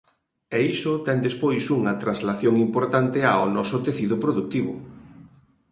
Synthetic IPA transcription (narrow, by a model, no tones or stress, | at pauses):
eisʊt̪ɛnd̪espojsuŋɐt̪ɾanzlaθjoŋimpoɾt̪ant̪eaonɔsʊt̪eθiðʊpɾoðuk̚t̪iβʊ